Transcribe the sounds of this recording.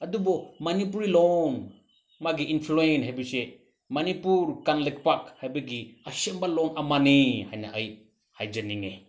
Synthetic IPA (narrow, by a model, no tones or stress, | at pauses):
ad̪ubɔmanipuɾilɔn | maɡiinpʰluɛnɦɛbisɛʔ | manipuɾkanlɛk̚pakhajbeɡiasɛmbalɔnamanihajna̰ʔəj | hajd͡ʒəniŋɛ